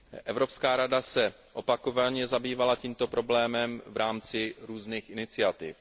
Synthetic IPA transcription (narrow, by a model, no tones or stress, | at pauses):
ʔɛvɾo̞pskaːɾadasɛ | ʔo̞pako̞vaɲɛzabiːvalaciːmt̪o̞pɾo̞blɛːmɛmvɾaːmt͡sɪɾuːzniːxʔɪnɪt͡sɪat̪ɪf